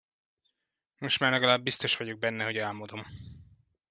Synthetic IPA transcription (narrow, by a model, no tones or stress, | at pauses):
mo̞ʃtmaːrlɛɡɒlaːbːist̪o̞ʃʋɒɟo̞ɡ̚bɛnːɛɦo̞ɟɛlmod̪o̞m